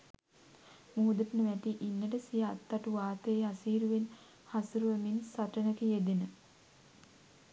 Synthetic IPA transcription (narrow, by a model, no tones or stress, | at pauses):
muːud̪əʈənəʋæt̪iʔinːəʈəsijaat̪ːaʈuʋaːt̪əeasiːɾuʋen | hasuɾuʋəminsaʈənəkijed̪enə